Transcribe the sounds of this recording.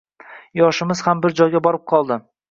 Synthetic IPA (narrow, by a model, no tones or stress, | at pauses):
jɒʃɪmɪz̥hambɪɾd͡ʒɒjɡʲabɒɾɪp̚qʰɒlˠd̪ɪ